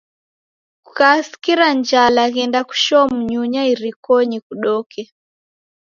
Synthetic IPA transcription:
kukasi̥kiɾaɲd͡ʒalaɣɛndaku̥ʃɔmuɲuɲaiɾikɔɲikuɗɔkʰɛ

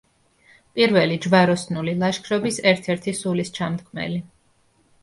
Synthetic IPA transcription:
pʼiɾvɛlid͡ʒvaɾɔsnulilˠaʃkʰɾɔbisɛɾt̪ʰɛɾt̪ʰisulist͡ʃʰamd̪kʰmɛ̰li

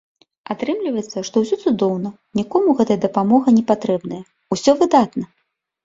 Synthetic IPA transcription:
at̪ɾɨmlʲivɐjɛt̪sːɐʂt̪ɔwsʲɔt̪sud̪ɔwnɐ | nʲikɔmuɣɛt̪ɐjɐd̪ɐpamɔɣɐnʲɛpat̪ɾɛbnɐjɐ | usʲɔvɨd̪at̪nɐ

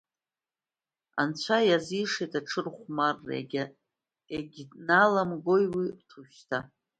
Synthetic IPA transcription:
a̰nt͡ɕʷʰajaziʂejtʰaʈ͡ʂʰɨrχʷmarːḛ | eɡʲdnalamɡojwitʰuʃtʰa

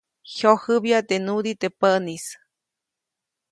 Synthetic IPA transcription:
hjohɨbjat̪enud̪it̪epəʔnis

